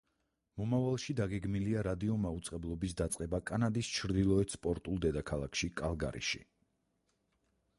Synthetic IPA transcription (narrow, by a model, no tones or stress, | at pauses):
mɔmavalˠʃid̪aɡɛɡmiliaɾad̪iɔmaut̪sʼqʼɛblˠɔbisd̪at̪sʼqʼɛbakʼanad̪ist͡ʃʰɾd̪ilˠɔɛt̪spʼɔɾt̪ʼulˠd̪ɛd̪akʰalˠakʰʃikʼalˠɡa̰ɾʔḭʃḭ